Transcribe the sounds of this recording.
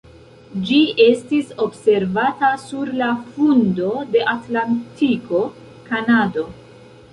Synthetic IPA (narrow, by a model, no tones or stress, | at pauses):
d͡ʒie̞stiso̞bse̞ɾvatasuɾlafundo̞de̞ʔatlantiko̞ | kanado̞